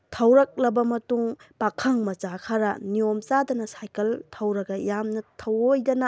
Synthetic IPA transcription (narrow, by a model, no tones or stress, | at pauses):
tʰɐwɾɐk̚lɐbɐmɐtuŋpakʰɐŋmɐt͡ʃakʰɐɾɐniomt͡ʃadɐnɐsajkɐltʰɐwɾɐɡɐjamnɐtʰɐwojdɐnɐ